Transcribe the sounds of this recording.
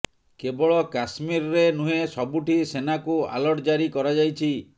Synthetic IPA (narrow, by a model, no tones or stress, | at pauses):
kebɔɭɔkasmiɾɔɾenuɦesɔbuʈisenakua̰lɔʈɔd͡ʒaɾikɔɾad͡ʒajt͡ʃʰi